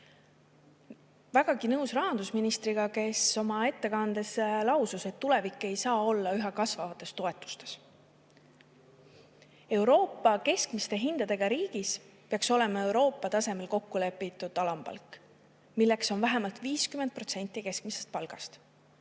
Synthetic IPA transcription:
væɡ̥ɑɡinɤwsrɑɦɑnd̪̥usminist̪ɾiɡ̥ɑke̞so̞mɑe̞t̪ːe̞kɑnd̪e̞slɑwsuse̞t̪ːule̞vikːˑe̞jsɑːo̞lːɑyɦɑkɑsvɑvɑt̪ːˑe̞st̪o̞e̞t̪ːˑu̥st̪e̞̥s | e̞wɾo̞ːpːˑɑke̞skmist̪e̞ɦind̪̥ɑd̪e̞ɡ̥ɑɾiːɡ̥is | peɑkso̞le̞mɑe̞wɾo̞ːpːˑɑt̪ɑse̞me̞lko̞kːule̞pːˑit̪ːˑud̪̥ɑlɑmpɑ̰lkːˑ | milːe̞kso̞nvæɦemɑlt̪viːskymend̪̚prot̪senʲt̪ˑːike̞skmise̞st̪̚pɑlɡ̥ɑ̰st̪

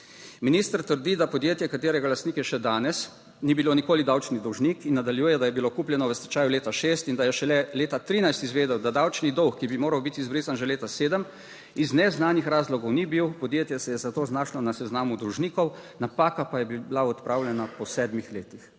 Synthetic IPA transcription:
miniːst̪əɾt̪əɾd̪id̪apɔd̪jeːt̪jɛkat̪eːɾɛɡalast̪niːkjɛʃɛd̪aːnɛs | nibilonikoːlid̪awt͡ʃnid̪ɔwʒnikinːad̪aljuːjɛd̪ajɛbilokuːpljɛnɔʋəst̪ɛt͡ʃaːjuleːt̪aʃeːst̪ind̪ajɛʃɛlɛleːt̪at̪ɾiːnajst̪izʋeːd̪ɛwd̪ad̪awt͡ʃnid̪ɔwxːibimoːɾawbit̪ːzbɾiːzanʒɛleːt̪aseːd̪əm | iznɛznaːnixɾaːzlɔɡɔwnibiwpɔd̪jeːt̪jɛsɛjɛzat̪oːznaːʃlɔnasɛznaːmud̪uwʒniːkɔwnapaːkapajɛbiblaɔt̪pɾʔaːwljɛnapɔsɛːd̪mixleːt̪ix

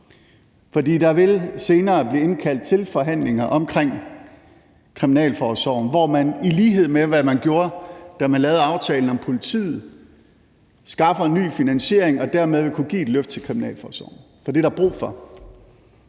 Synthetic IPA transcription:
fɒ̽d̥ḭːd̥ɑ̈ʋe̝lse̝ːnɐːb̥liːe̝nkʰæl̰d̥̚t͡sʰe̝lfɒ̽ɦæn̰le̝ŋɐʔɒ̽mkʰʁeŋ̰ | kʰʁiminɛ̰ːlfɒːsɒʊn̩ʋɒmæniliːɦe̝ð̞̰ˠmeʋæmænɡ̥jo̝ːɐd̥æmænlɛːʊðˠɑ̈ʊt͡sʰɛːln̩ɒ̽mpʰo̝lit͡sʰḭːð̩ˠ | sɡ̥ɑ̈fɐenːy̰ːfinænɕe̝ɐ̰eŋɒ̽d̥æɐmeðˠʋe̝kʰuɡ̥ḭːed̥løfd̥̚t͡sʰe̝lkʰʁiminɛ̰ːlfɒːsɒ̰ʊ̰n̩ | fɒd̥e̝ɾɑ̈b̥ʁṵːfɒ̽

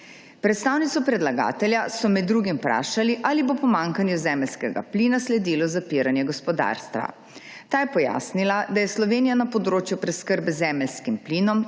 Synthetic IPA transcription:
pɾɛt̪st̪aːwnit̪sɔpɾɛd̪laɡa̰ːt̪ɛlʲjasɔmɛd̪ːɾuːɡimpɾa̰ːʃaliʔaːlibopɔmaŋkanjuzɛːmɛlskɛɡa̰pliːnaslɛd̪ilɔzapiːɾanjɛɡɔspɔd̪a̰ːɾst̪ʋa̰ | t̪aːjɛpɔja̰ːsnilad̪ajɛslɔʋeːnijanapɔd̪ɾoːt͡ʃjupɾɛskəɾbɛzɛːmɛlskimpliːnɔm

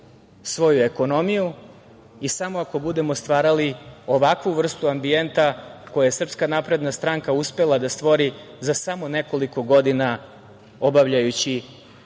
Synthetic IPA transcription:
sʋo̞jue̞ko̞no̞miju | isamoako̞bud̪e̞mo̞st̪ʋaːɾalio̞ʋakʋuʋr̩st̪uambie̞nt̪ako̞jaesr̩pskanapɾe̞d̪nast̪ɾaŋkauspe̞lad̪ast̪ʋo̞ɾizasamo̞ne̞ko̞liko̞ɡo̞d̪ina | o̞baʋʎajut͡ɕi

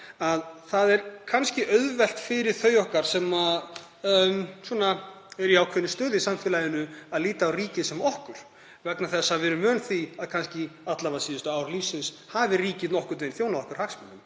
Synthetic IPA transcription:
aðθaðɛɾ̥kʰanscɪʔœɥðvɛl̥t̪fɪɾɪɾ̥θœːɥjɔhkaɾ̥sɛma | msɔna | ɛɾiawkʰvɛnɪst̪œːðɪsamfɛːlajɪnʏaðliːt̪aːwriːcɪsɛmɔhkʏɾ̥ | vɛknaθɛsːavɛːɾʏmœːnθiaðkʰanscɪat̪lavasiːðʏst̪ʏawɾliːfsɪns | haːvɪriːcɪnɔhkʏɾt̪vɪnθjoːwnaðɔhkaɾ̥haksmɛnːʏm

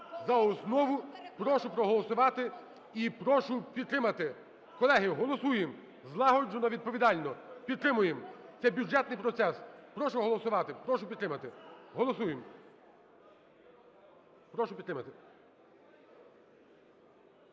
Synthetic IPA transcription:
zɐɔsnɔʋʊpɾɔʃʊpɾɔɦɔlˠɔsʊʋɑt̪ɪ | ipɾɔʃʊpʲid̪̚t̪ɾɪmɐt̪ɪ | kɔlˠɛɦɪɦɔlˠɔsujem | zlˠɑɦɔd͡ʒɔnɔʋʲid̪̚pɔʋʲid̪ɑlʲnɔpʲid̪̚t̪ɾɪmʊjemt̪sɛbʲjud͡ʒɛt̪nɪjpɾɔt̪sɛspɾɔʃʊɦɔlˠɔsʊʋɑt̪ɪpɾɔʃʊpʲid̪t̪ɾɪmɐt̪ɪɦɔlˠɔsujem | pɾɔʃʊpʲid̪t̪ɾɪmɐt̪ɪ

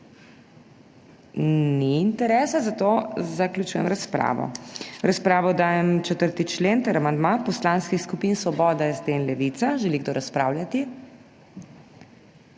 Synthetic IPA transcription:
niːnt̪ɛɾɛːsazat̪ozakljut͡ʃujɛ̰mɾaspɾa̰ːʋɔ̰ɾaspɾaːʋɔd̪aːjɛmt͡ʃɛt̪əɾt̪it͡ʃleːnt̪əɾamand̪mapɔslanskixskupinsʋɔbɔːd̪aizd̪eːnlɛʋit̪saʒɛliɡd̪oːɾaspɾaːwljat̪i

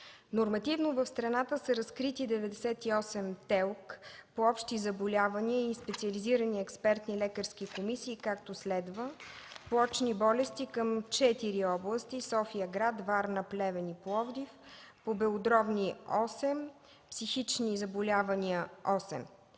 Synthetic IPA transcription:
noɾmɐt̪ivnovəfst̪ɾɐnat̪əsəɾɐskɾit̪id̪ɛvɛd̪ɛsɛt̪iɔsɛmt̪ɛlˠkpoɔpʃt̪izɐbolʲavɐniəispɛt̪siəliziɾəniɛkspɛɾt̪nilɛkəɾskikomisiːkakt̪oslɛd̪vəpˠɔt͡ʃnibɔlɛst̪ikəmt͡ʃɛt̪iɾiɔblˠəst̪isɔfijəɡɾat̪vaɾnəplɛvɛniplˠɔvd̪ifpobɛod̪ɾɔbniɔsɛm | psixit͡ʃnizɐbolʲavɐniəɔsɛ̰m

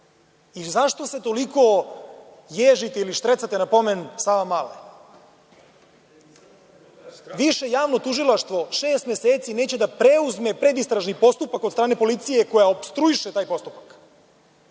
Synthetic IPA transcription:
izaʃt̪ose̞t̪o̞liko | jeːʒit̪eiliʃt̪ɾet̪sat̪enapo̞mensaːʋamalḛ | ʋiʃejaːʋno̞t̪uʒilaʃt̪ʋo̞ʂeːst̪mjeseːt̪sineːt͡ɕed̪apɾeuzmepɾe̞d̪ist̪ɾaʒnipo̞st̪upakod̪st̪ɾaːne̞po̞lit̪sije̞ko̞jaopst̪ɾuiʃet̪aːjpo̞st̪upḁk

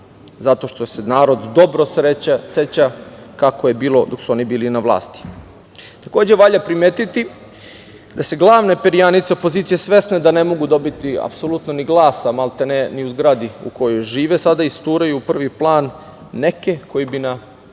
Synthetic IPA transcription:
zat̪o̞ʃt̪o̞senaːɾo̞d̪ːo̞bɾo̞sɾeaset͡ɕakakoje̞biːlo̞d̪o̞ksuo̞nibiːlinaʋlˠa̰ːst̪i̥ | t̪ako̞ːd͡ʑeʋaʎapɾimeːt̪it̪i | d̪ase̞ɡlˠaːʋne̞peɾijanit̪se̞o̞po̞zit̪sijesʋe̞sne̞d̪ane̞mo̞ɡud̪o̞bit̪ia̰pso̞lut̪no̞niɡlˠaːsamalˠt̪eneniuzɡɾad̪iṵko̞jojʒiːʋe̞sad̪aist̪uːɾajuːpr̩ʋiplˠaːnː | e̞ke̞ko̞jibina

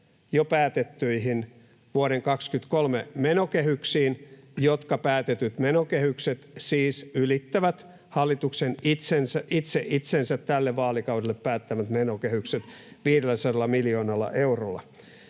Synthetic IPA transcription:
jopæːt̪et̪ːyiɦin | ʋuoɾeŋkɑkskyt̪kolmemenokehyksiːnjot̪kɑpæːt̪et̪yt̪menokehykset̪siːsylit̪ːæʋæt̪ | hɑlːit̪uksenit̪sensæʔit̪seʔit̪sensæt̪tːælːeʋʋɑːlikɑwdelːeppæːt̪ːæmæt̪menokehykset̪ | ʋiːɾelːæsɑdɑlːɑmiljoːnɑlːɑ̰ʔeurolːˑɑ̰

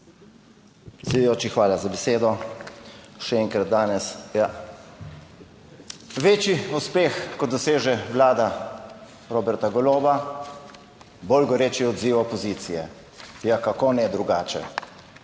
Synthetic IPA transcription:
sijoːt͡ʃixʋaːlazabɛseːd̪ɔ | ʃɛɛːŋkɾat̪̚d̪aːnɛsja | ʋeːt͡ʃiuspeːxkɔd̪ɔseːʒɛʋlaːd̪a | ɾoːbɛɾt̪aɡɔloːba | bolɡɔɾeːt͡ʃiɔd̪ziːwɔpɔziːt̪sijɛ̰ | jakakonɛd̪ɾuɡaːt͡ʃɛ̰

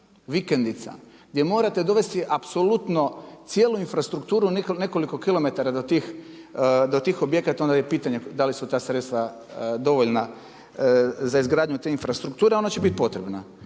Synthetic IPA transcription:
ʋikend̪it̪sa̰ɡd̪je̞mo̞ːɾat̪e̞d̪o̞ʋe̞st̪iʔapso̞lut̪no̞t̪sje̞ːluinfɾast̪ɾukt̪uːɾunene̞ko̞liko̞kilo̞me̞t̪aɾad̪o̞t̪iːx | d̪ot̪iːxo̞bje̞kat̪o̞nd̪ajepiːt̪aɲed̪alisut̪aːsɾet̪st̪ʋa | d̪o̞ʋoʎna | zaizɡɾaːd̪ɲut̪e̞infɾast̪ɾuk̚t̪uːɾeo̞nat͡ɕe̞bit̪po̞t̪ɾebna

